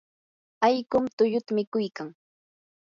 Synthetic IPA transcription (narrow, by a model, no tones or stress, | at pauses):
ajkʊmt̪ʊʎʊt̪amɪkʊjkaŋ